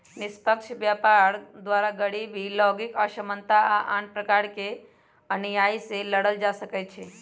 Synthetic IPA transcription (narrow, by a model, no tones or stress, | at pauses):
nɪspəkʃʋjapaɾd̪ʋaɾaɡəɽibʱilɔɡikaʃəmənt̪aaʔaɳpɾəkaɽke | ənejajseləɽəld͡ʒaʃəkajt͡ʃʰe